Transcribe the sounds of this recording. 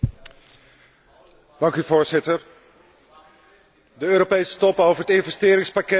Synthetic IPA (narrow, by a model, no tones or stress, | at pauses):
d̥ɑŋkyvoːɹzɪtəɹ | dəøːɾopejsə̥tɔpəowvəɹətɪnvɛstɪːɾɪŋspakɛ